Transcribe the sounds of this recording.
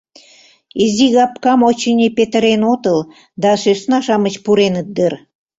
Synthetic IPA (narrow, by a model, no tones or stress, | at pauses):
iziɣɑpkɑmot͡ɕənʲipet̪ə̆ɾenot̪əl | d̪ɑʃøsnɑʃɑmət͡ɕpuɾenət̪̚d̪ər